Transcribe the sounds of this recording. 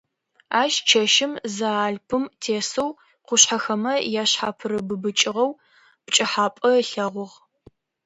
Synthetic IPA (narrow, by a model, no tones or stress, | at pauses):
aːʃt͡ʃʰɐʃɪmzaːɮpʰɨmtʰeːsɨw | qʷʊɕħɐxɐmɐjaːɕħaːpʰɨɾɨbɨbɨt͡ʃʼɪʁɐw | pt͡ʃʼɐħaːpʼɐɬɐʁʷʊʁ